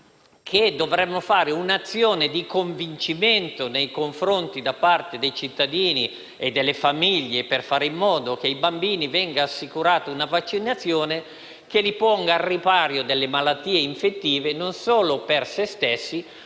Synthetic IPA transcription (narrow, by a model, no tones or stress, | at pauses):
kʰed̪ːovɾɛmːofaːɾeunat̪sːjoːned̪ikoɱvint͡ʃiment̪onejkoɱfɾont̪id̪apːart̪ed̪ejt͡ʃit̪ːad̪iːni | ed̪ːelːefamiʎːeperfaːɾeimːɔːd̪ok̟eibambiːnivɛŋɡaːsːikuɾaːt̪ounavat͡ʃːinat̪sːjoːne | kelipɔŋɡaːrːipaːɾjod̪elːemalat̪ːiːeiɱfet̪ːiːvenonsoːlopersest̪esːi